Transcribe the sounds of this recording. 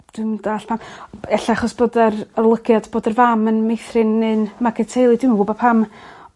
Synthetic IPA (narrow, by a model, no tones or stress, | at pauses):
d̥ɪmdaːɬpʰamɛɬaaχɔsb̥oːdərərlˠəɡjadb̥oːdərvamənmejθrɪnɨnmaɡɛtʰejlˠidɪmənɡʊbɔpʰam